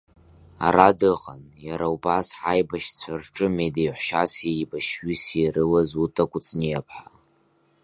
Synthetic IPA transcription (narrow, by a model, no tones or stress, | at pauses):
a̰ɾadɨqʼanjaɾaubasħajbaʃt͡sʷʰarʈ͡ʂʼɨmedejħʷʃasejbaʃɥiserɨlazutʼakʷʼʊt͡sʼnijapʰħa